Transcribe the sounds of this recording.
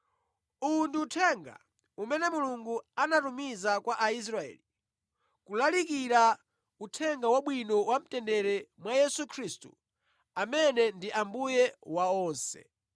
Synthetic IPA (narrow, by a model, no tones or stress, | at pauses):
unduːtʰɛŋɡa̰ | umɛnɛmuluŋɡuanatumizakwaʔais̬ɾaɛ̰ːli | kulalik̬iɾa | utʰɛŋɡawaɓwinɔwam̩tɛndɛɾɛmwajɛsukʰɾistṵ | amɛnɛndiʔambujɛwaɔːnsɛ̰